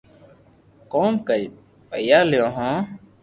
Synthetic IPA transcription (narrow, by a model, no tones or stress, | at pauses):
koːmkəɾi | pə̰jaːlɪjõːɦõː